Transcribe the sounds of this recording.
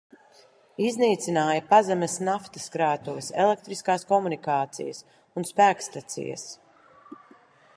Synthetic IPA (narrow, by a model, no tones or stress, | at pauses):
izniːt̪sinaːjɐpazɛmɛsnaft̪ɐskɾaːt̪uviselˠek̚t̪ɾiskaːskɔmunikaːt̪sḭjɐs | unspæːkst̪at̪sḭjɐ̰s